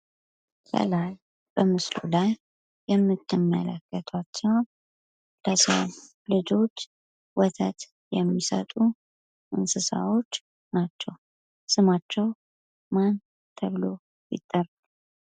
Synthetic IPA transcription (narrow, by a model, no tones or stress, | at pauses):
kʰə̰laj | b̥əmɨslṵlajː | ɛmːɨt̪ːɨmːələkʰːət̪ʰat͡ʃːɛwn | ləsəwn | lɨd͡ʒo̞t͡ʃː | wɔt̪ʰət̪ | jɛmːisə̰t̪ʼu | ʔɨnsɨsa̰wo̞t͡ʃː | nat͡ʃːɛw | sɨmat͡ʃːɛw | man | t̪ʰəβlo̞ | jɪ̰t̪ʼːər